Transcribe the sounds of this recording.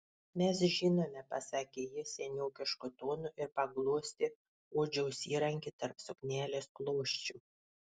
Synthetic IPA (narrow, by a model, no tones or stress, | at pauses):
mʲɛsʒʲɪnoːmʲɛpɐsɑkʲeːjɪsʲɛnʲɛːkʲɪʃkʊt̪oːnʊʔɪɾpɐɡlˠuɔsʲt̪ʲɪ | uːd͡ʒʲɛʊsʲiːɾɐŋʲkʲit̪ɐɾpsʊknʲæːlʲeːsklˠoːʃʲt͡ʃʲu